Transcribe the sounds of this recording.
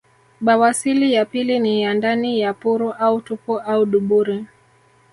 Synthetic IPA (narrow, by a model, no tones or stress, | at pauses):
ɓawasilijapilinijandanijapuɾuʔautupɔʔauɗuɓuɾi